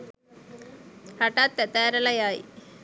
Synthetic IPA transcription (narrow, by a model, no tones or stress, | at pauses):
haʈat̪ːɛt̪æːɾəlɐjaj